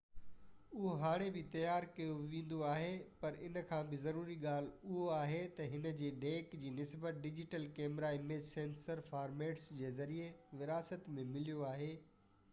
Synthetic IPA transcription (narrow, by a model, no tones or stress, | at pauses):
ʊɦoɦaːɽ̃ebɪt̪ɐjaːɾkɐjoʋẽːn̆d̪oaːɦepɐɾɪ̰nəkʰãːbɪzɐɾuːɾiɠaːl̤ʊɦoaːɦet̪ɐɦɪnə̆d͡ʑeːɖeːkd͡ʑiːnɪsbət̪̚ɖɪd͡ʑɪʈəlkeːmɾaːimẽsẽːnsəɾfaːɾmeːʈsd͡ʑeːzɐɾieʋɪɾaːsət̪mẽmɪlijoaːɦeː